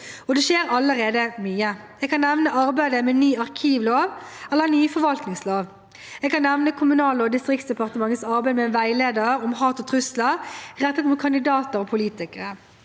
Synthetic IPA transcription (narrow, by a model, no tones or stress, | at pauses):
ɔd̪ɛʃeːɾɑləʁeːd̪əmyːə | ɛːɡkɑnːɛʋnəʔɑʁbæɪd̪əmɛnyːɑʁkʰiːʋloːʋɛlːəʁnyːfɔʁʋɑlt̪nɪŋsloːʋ | ɛːɡkɑnːɛʋnəkʰʊmʉnɑːləɔd̪ɪst̪ʁɪk̚tsd̪əpɑʁt̪əmɑŋːət̪sɑʁbæɪd̪mɛnʋæɪleːd̪əʁəɾɔmɦɑːt̪ɔt̪ʰʁʉsləʁɛt̪ːət̪mʊːt̪̚kʰɑnd̪ɪd̪ɑːt̪əɾɔpʰʊliːt̪ɪkəʁə